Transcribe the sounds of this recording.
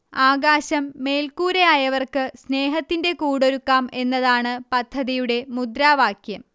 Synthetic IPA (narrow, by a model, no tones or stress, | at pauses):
aːɡaːɕɐmːe̞ːlkuːɾeaːjɐʋɐrkɨsne̞ːɦɐt̪ːinde̞kuːɽo̞ɾukːaːme̞nːɐðaːɳɨpɐd̪ʱːɐðijuɽe̞mud̪ɾaːʋaːkʰjɐm